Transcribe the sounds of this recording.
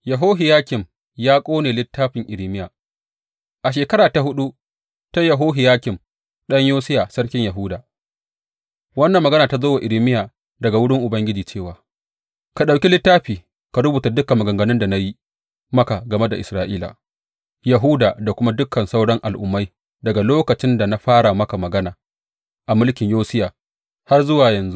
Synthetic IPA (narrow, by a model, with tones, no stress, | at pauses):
jɐ˨ɦoː˦ɦɪ˨jaː˦kʲɪ˨m | jaː˦kʷʼoː˦neː˨lɪ˦tːaː˦ɸɪ˨ŋʔɪ˨ɾɪ˦mɪ˦jaː˨ | ʔa˨ʃ̬eː˨kɐ˦ɽaː˨ta˨hʊ˦ɗu˦ | ta˦jɐ˨ɦoː˦ɦɪ˨jaː˦kʲɪ˨m | ɗɐ˦ɲjoː˦sɪ˦ja˨sɐ˦rkʲɪ˦ɲjɐ˨ɦuː˦daː˨ | wɐ˦nːɐ˨mːɐ˨ɡɐ˦naː˨ta˨zoː˦wa˨ʔɪ˨ɾɪ˦mɪ˦jaː˨ | dɐ˨ɡa˨wʊ˦ɽɪ˦ŋʔʊ˨bɐ˦ŋɡʲɪ˦d͡ʒiː˨t͡ʃeː˦˨waː˨ | ka˨ɗa˨wkʲi˦lɪ˦tːaː˦ɸiː˨ | ka˨ɽʊ˦buː˨ta˨dʊ˦ka˨mɐ˨ɡɐ˨ŋɡɐ˨nɪ˦nda˨na˦ji˦ | mɐ˦ka˨ɡɐ˨me˦da˨ʔɪ˨sɾaː˦ʔiː˦la̰ː˨ | jɐ˨ɦu˦daː˨da˨kʷʊ˦ma˦dʊ˦kʰːɐ˨nsa˦wɽɐ˦ŋʔa˨lʔʊ˨mːa˦j | dɐ˨ɡa˨loː˦kɐ˨t͡ʃɪ˦nda˨na˦ɸaː˦ɽa˨mɐ˦ka˨mɐ˨ɡɐ˦naː˨ | ʔa˨mʊ˦lkʲɪ˨ɲjoː˦sɪ˦jaː˨ | ha˦rzʊ˦waː˨jɐ˨nzu˦